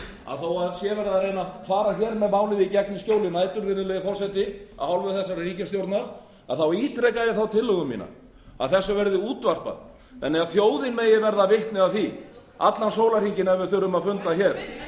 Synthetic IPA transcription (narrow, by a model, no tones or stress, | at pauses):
a̰ðθawaðsjɛvɛɾðaðrejnafaːɾaçɛːɾmɛðmaːwlɪðicɛknɪscjoːwlɪnaːjt̪ʏɾvɪɾðʏlɛjɪfɔr̥sɛt̪ɪa̰ðhawlvʏθɛsːaɾriːcast̪jowɾt̪naɾ | a̰ðθawiːt̪ʰɾɛkajɪθawt̪ʰɪlːʏɣʏmːḭːna̰ | a̰ðθɛsːʏvɛɾðɪuːt̪var̥pa̰ɾ | θɛnːɛɣaðθjoːwðɪnmeːjɪvɛɾðavɪht̪nɪaθi | a̰t̪lansoːwlar̥iɲcɪnɛvʏθʏɾʏmaðfʏnt̪açɛːɾ̥